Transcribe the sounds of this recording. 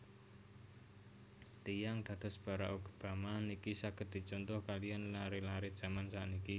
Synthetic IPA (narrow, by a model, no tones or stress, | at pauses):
t̪ijaŋd̪̥a̤d̪̥ɔ̤sb̥a̤ɾaʔuɡ̥ṳ̥b̥a̤manikisaɡ̥ə̤t̪̚d̥̪i̤t͡ʃɔnt̪ʊhkalijanlaɾelaɾed̥ʒ̥a̤mansaʔniki